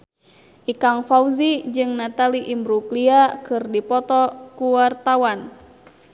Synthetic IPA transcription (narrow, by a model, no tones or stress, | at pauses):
ʔikaŋfauzid͡ʒɨŋnat̪aliʔimbɾukliakɨrdipɔt̪ɔkuwart̪awan